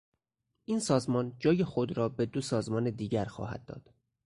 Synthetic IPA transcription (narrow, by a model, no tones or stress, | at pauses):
ʔiːnsɒːzmɒːnd͡ʒɒːjexo̞d̪ɾɒːbe̞d̪osɒːzmɒːned̪iːɟæɾxɒ̰ːhæ̰d̪̚ːɒ̰ːd̪̥